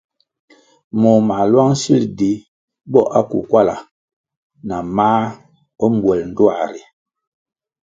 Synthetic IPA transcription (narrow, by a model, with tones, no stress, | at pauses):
mɔ˨ma˨lwa˦ŋ˦si˦ldi˨˦ | bɔ˦˨ʔa˦kṵ˨kwa˦la˨ | na˨maː˦ | ɔ˦m˦bwɛ˨ln̩˨dwa˨ɾi˨